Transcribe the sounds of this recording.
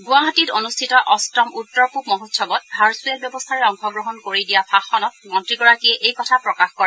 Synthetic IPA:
ɡuaɦatitonustʰitɔʔɔstɔmutːɔɹpupmɔɦotsɔbɔt̚haɹsuak̚bjɔbɔstʰaɹɛɔŋxɔɡɹɔɦɔnkoɹidijapʰaxɔnɔt̚mɔntɹiɡɔɹakiɛʔejkɔtʰapɹɔkaxkɔɹa

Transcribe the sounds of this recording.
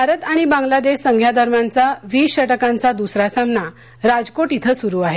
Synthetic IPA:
bʱaɾət̪aɽ̃ibãŋɡlad̪eɕsəŋɡʱjad̪ʱəɾmjant͡saʋiːɕəʈəkãnt͡sad̪usɾasamna | ɾad͡zkoʈit̪ʰəsuɾuːaɦe

